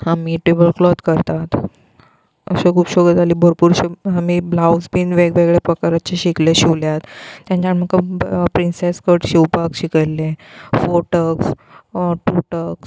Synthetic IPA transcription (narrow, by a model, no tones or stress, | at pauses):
amiːʈebəlklɔt̪kəɾt̪at̪ | ə̰sẽkʰuːpɕɔɡət̪aliːbʱəɾpuːɾɕeamiblawsbiːnʋeɡʋeɡɭepɾəkaɾat͡ɕeɕikleɕiwljat̪t̪ːjãɲt͡ɕaɳməkːapɾinseskəʈɕiwpakɕikəjlːẽfoʈəks | ʈuʈəks